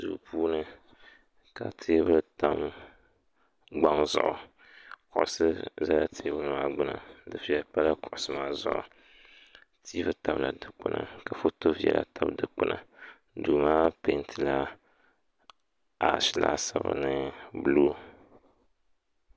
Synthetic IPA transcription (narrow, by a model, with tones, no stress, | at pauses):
zṵ˨pʰuː˦nɨ˦ | ka˨tʰeː˦bɨ˦lta˦m | ɡ͡ba˦ŋzʊ˨ʔʊ˨ | kʊ˨ʔʊ˨sɨ˦za˦la˦tʰe˦bɨ˦˨maː˦ɡ͡bʊ˦na˨dɨ˨fi˨jɛ˨˦pa˦la˦kʊ˨ʔʊ˨sɨ˦maː˦zʊ̰˦ʔʊ̰˨ | tʰi˦bɨ˦ta˨bla˨dɨ˦k͡pʊ˦na̰˨ka˨fo˦to˦fi˦jɛ̰˨la̰˨tʰa˦bdɨ˦k͡pʊ˦nʔa˨ | du˨maː˦pe˨˦ntʰɨ˨la˦ | a˨ʃɪ˦la̰˦sa˨bɨ̰˨nɨ˦bɨ˦˨luː˦